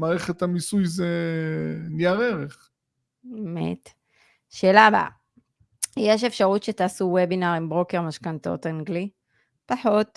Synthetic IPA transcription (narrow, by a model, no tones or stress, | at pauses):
maːʁeχet̪hamisujze | nijaʁeʁeχ | emḛt̪ | ʃe̞ːlaba̰ | jeʃ̬e̞fʃaʁutʃetaːsuwebinaʁimbʁo̞ke̞ʁmaʃkant̪o̞̰t̪aŋɡli | paħo̞t